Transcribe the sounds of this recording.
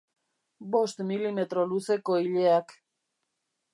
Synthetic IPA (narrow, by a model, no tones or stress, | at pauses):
bo̞st̪milime̞t̪ɾo̞luse̞ko̞iʎeak